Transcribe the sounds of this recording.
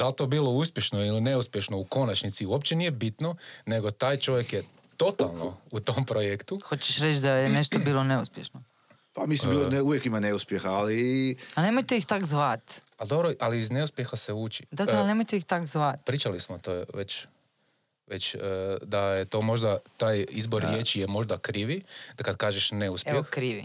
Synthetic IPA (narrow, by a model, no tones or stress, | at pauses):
d̪̥alt̪oːbilo̞uspʲjeʃnoiline̞uspʲje̞ʃno̞uko̞nat͡ʃnit̪siuopt͡ʃenijebit̪none̞ɡo̞t̪aːjt͡ʃo̞ʋjekje | t̪o̞t̪alˠno̰ut̪ompɾojekt̪uxot͡ɕeʃɾet͡ʃd̪ajeneʃt̪obiːlˠoneuspʲjeʃno | pamismbilouʋjekimaneuspʲjexaalianemojt̪eixt̪akzʋat̪ | ad̪o̞bɾoʔaliizneuspʲjexaseuːt͡ʃi̥d̪ad̪lnemojt̪eixt̪akzʋat̪pɾiːt͡ʃalismot̪oʋet͡ʃ | ʋet͡ɕːd̪ajet̪o̞ːmo̞ʒd̪at̪aːjizboɾɾjet͡ʃijemo̞ʒd̪akɾiːʋi̥kad̪kaːʒeʃne̞uspjɛoxkɾiʋḭ